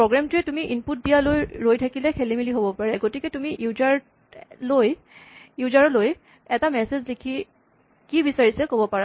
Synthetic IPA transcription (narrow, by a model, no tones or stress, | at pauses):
pɹoɡɹamtʊjɛtumiʔinput̚dijalojɹojtʰakilɛkʰelimiliɦobɔpaɹɛɡotikɛtumiʔuzaɹ | loj | juzaɹɔloj | ɛtamɛsezlikʰi | kibisaɹisɛkobɔpaɹa